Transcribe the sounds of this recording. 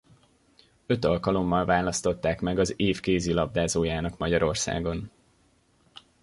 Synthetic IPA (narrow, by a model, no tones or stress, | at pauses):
ø̞t̪ɒlkɒlo̞mːɒlvaːlɒst̪o̞t̪ːaːkmɛɡɒzeːfkeːzilɒb̚d̪aːzoːjaːnɒkmɒɟɒɾo̞rsa̰ːɡo̞n